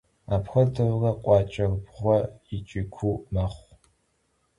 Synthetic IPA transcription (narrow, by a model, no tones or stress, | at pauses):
aːpʰxʷɐdɨrrɐqʷʼɑːt͡ʃʼɐrbʁʷɔit͡ʃʼɪkʷʰumɐχʷ